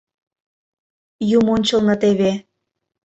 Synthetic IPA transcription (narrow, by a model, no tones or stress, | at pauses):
jumonʲt͡ɕə̆lˠnɤ̆t̪eβe